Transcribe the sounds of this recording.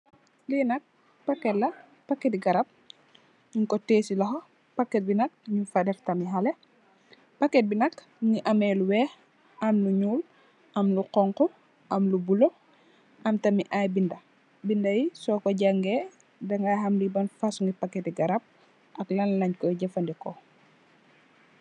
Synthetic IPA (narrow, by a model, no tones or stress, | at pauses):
linɐk̚ | pakːɛlɐ | pakːɛtɡɐɾap̚ | ɲuŋkɔteːsilɐɦo | pakːɛt̚binɐk̚ɲufadɛftɐmiɦalɛ | pakːɛt̚binɐk | ŋiʔɐmɛluwɛːx | ɐmluɲuːl | ʔɐmluqɔŋkɔ | ʔɐmlubulo | ɐmtɐmiʔajbindɐ | bindɐjisɔkɔɟaŋɡɛ | dɐŋɡajɦɐmlibɐnfasuŋɡipakːɛtiɡaɾap̚ | ʔɐklanlɐɲkɔjɟɛfandikɔ